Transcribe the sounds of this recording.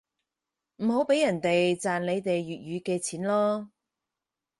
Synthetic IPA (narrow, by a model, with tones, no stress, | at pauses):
m̩˨˩ɦo˨˥wpe˨˥jɐ˨˩nt̪e˨jt͡saː˨nle˨˧jt̪e˨jːyː˨t̚jyː˨˧˥kɛː˧t͡sʰiː˨˥nlɔː˥